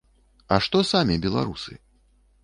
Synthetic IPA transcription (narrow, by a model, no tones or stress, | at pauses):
ɐʂt̪ɔsamʲɛbʲɛlˠa̰ɾusɨ̰